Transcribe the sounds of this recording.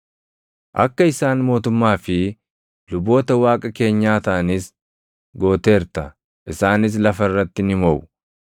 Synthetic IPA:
ʔɐ̰kːɐɪsaːnmo̞ːt̪ʊmːaːfɪ | lʊbo̞ːt̪ɐwaːkʼɐke̞ːɲːaːt̪ɐʔɐnɪs | ɡo̞ːt̪e̞ːɾt̪ɐ | ʔɪsaːnɪs̬lɐfɐɪrːɐt̪ːɪnɪmɔʔʊ

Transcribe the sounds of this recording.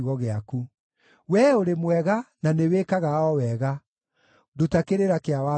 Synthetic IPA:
ɣɔɣeaku | wɛoɾemwɛɣananeweːkaɣaɔwɛɣa | dotakeɾeɾakeawa

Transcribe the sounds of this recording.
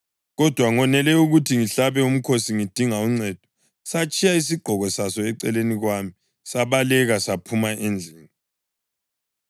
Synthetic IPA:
ɣɔd̥ʱwaŋɔnɛlɛuɣutʰiŋiɬaβɛum̩kʰosiŋid̥ʱiŋauŋ͡ǀɛːd̥ʱɔ̥ | sat͡ʃʼʰijais̬iɡ͡ǃʱɔɣɔsasɔɛǀɛleniɣwamii | saβalɛɣasapʰumaʔend͡ɮʱɛːŋi

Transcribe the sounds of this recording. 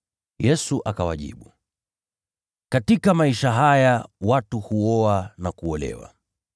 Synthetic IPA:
jɛsuʔakawa̰ʄḭɓu | katikamaiʃaɦajawatuhuɔanakuɔlɛ̰wa̰

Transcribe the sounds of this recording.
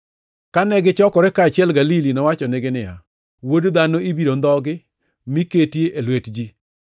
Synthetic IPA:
kanɛɡɪt͡ʃɔkɔɾɛkaːt͡ʃɪɛlɡalilinɔwat͡ʃɔnɪɡɪnɪja̰ | wodd̪anoibiɾond̪ɔɡɪ | miketjeʔelwetd͡ʒi

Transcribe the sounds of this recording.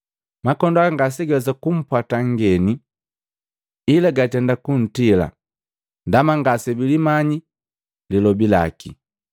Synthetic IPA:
makɔndaŋɡas̬iɡɛsakum̩pwataŋɡɛni | ilaɡatɛndakun̩tila̰ | ndamaŋɡasɛbilimaɲi | lilɔbila̰ki

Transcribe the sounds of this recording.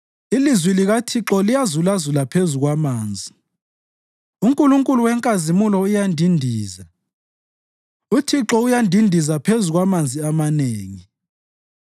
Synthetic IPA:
ilizwiliɣatʰiǁɔlijazulazulapʰezuɣwamaːnd͡zʱi | uŋkʼuluŋkʼuluwɛŋkʼazimulɔujandʱindʱiːza | utʰiǁɔujandʱindʱizapʰezuɣwamand͡zʱiamaneːŋi

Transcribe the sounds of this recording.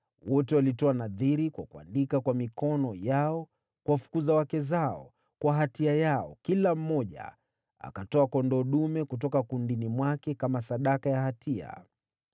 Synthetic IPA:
wɔtɛwalitɔanaðiɾikwa̰kua̰ndikakwamikɔnɔjaɔ | kuwafu̥kuzawakɛzaɔ̰ | kwaɦatiajaɔ̰kilam̩mɔʄa̰ | a̰katɔakɔndɔɗumɛkut̬ɔkakundinimwakɛkamasaɗakajahatʰia̰

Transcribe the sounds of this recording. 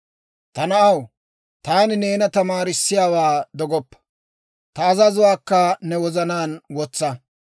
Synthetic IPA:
t̪ɐnɐʔɐw | t̪aːnɪneːnɐt̪ɐmaːɾɪsːɪjaːwaːd̪ɔɡɔpːɐ̥ | t̪ɐːzɐzʊwaːkːɐnɛwɔzɐnaːnwɔt͡sːɐ

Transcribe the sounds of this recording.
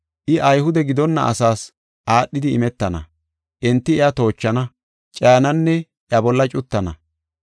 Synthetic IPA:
ʔɪʔɐjhʊd̪ɛɡɪd̪ɔnːɐ̰ʔɐ̰saːs | ʔaːɗːɪd̪ɪɪ̰mɛt̪ːɐnɐ̰ | ʔɛnt̪ːɪɪat̪o̞ːt͡ʃːɐnɐ | t͡ʃʼaːnɐnːɛ | ɪɐbɔlːɐt͡ʃʼʊt̪ːɐnɐ

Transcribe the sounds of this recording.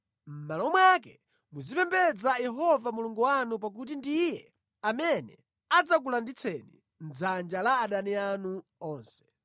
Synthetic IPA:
m̩malɔmwakɛ̰ | muzipɛmbɛd͡zajɛɦɔvamuluŋɡuwanup̬ak̬ut̬indijɛ | amɛnɛ̰ | ad͡zak̬ulandit͡sʰɛnḭ | n̩d͡zand͡ʒalaːɗanianuɔːnsɛ̥

